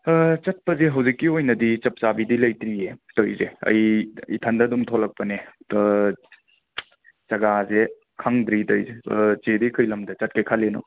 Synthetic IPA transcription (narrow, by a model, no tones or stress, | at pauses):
t͡ʃɐt̚pɐzeɦɐwzikːiojnɐdit͡ʃɐp̚t͡ʃabidilɐjtɾietojzeɐ̰jitʰɐndɐdumtʰolɐk̚pɐne | t͡ʃɐɡaze | kʰaŋdɾitojzezedikʰɯjlɐmdɐt͡ʃɐt̚kɐjkʰalenɔ̰